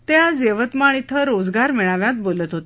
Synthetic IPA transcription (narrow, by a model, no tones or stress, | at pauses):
t̪jad͡zeʋət̪maɽ̃it̪ʰəɾod͡zɡaɾmɛɭaʋjãt̪̚bolət̪ɦot̪e̥